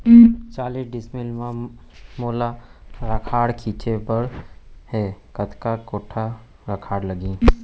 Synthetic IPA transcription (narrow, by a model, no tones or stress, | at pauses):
t͡ʃaːliɖɪsmɪlmãmoːlaɾəkʰaːɽkʰiːt͡ʃepəɽhekət̪ʰkakoːʈʰa | ɾəkʰaːɽləɡĩː